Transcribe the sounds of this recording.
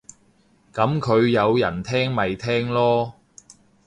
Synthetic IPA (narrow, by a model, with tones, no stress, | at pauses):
kɐ˨˥mkʰɵ˨˧ɥjɐ˨˧wjɐ̰˨˩nt̪ʰɛː˥ŋmɐ˨jt̪ʰɛː˥ŋlɔː˥